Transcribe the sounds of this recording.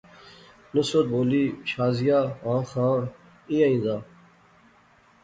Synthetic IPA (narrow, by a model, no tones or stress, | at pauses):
nusot̪̚boːliɕaːzijaːãːxãː | ĩjɐĩzaː